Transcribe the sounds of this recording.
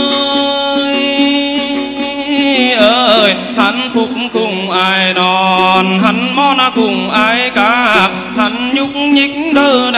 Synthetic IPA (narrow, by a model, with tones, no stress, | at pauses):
ə˧ | j | ʔəː˧˩j | ha˧˩n̟kʊ˧k͡p̚ŋ͡mkʊ˧˩ŋ͡mʔaː˧jnɔ˨nɦa˨˩nmɔ˧nʔa˧˩kʊ˧˩ŋ͡mʔaː˧˩jkaː˨˧˦ha˨˩p̚ | ha˧˩nɲʊ˦˥k͡p̚ŋ͡mɲɨ˧˦k̚ŋɗəː˧˩n˧